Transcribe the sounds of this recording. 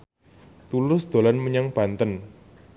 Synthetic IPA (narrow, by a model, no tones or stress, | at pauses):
t̪ulʊsd̪̥o̤lanməɲaŋb̥a̤nt̪ən